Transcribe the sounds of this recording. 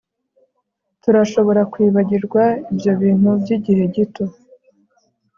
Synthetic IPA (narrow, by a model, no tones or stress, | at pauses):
tuɾaʃo̞βo̞ɾakwiːβaɟiɾɡwaibjo̞βiːn̥hubɟiɟihe̞ɟito̞